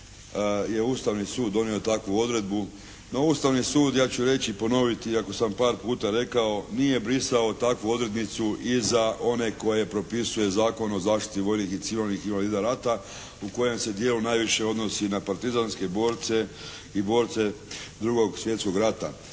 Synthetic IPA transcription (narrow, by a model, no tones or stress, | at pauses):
je̞uːst̪aʋnisuːd̪d̪o̞nio̞t̪akʋuo̞d̪ɾe̞d̪̚bu | no̞uːst̪aʋnisuːd̪jaːt͡ɕuɾe̞t͡ɕipo̞no̞ʋit̪iako̞sampaːɾpuːt̪aɾe̞kao̞nije̞bɾisao̞t̪akʋuo̞d̪ɾe̞d̪nit̪suʔizaʔo̞ne̞ko̞je̞pɾo̞pisuje̞zaːko̞no̞zaːʃt̪i̥t̪iʋo̞jnixit̪siʋilniximaliːd̪aɾat̪a | uko̞je̞mse̞d̪je̞ːlunaːjʋiʃe̞o̞d̪no̞sinapaɾt̪izanske̞bo̞ːɾt̪se̞ | ibo̞ːɾt̪se̞d̪ɾuɡo̞ɡsʋje̞t̪sko̞ɡɾat̪a̰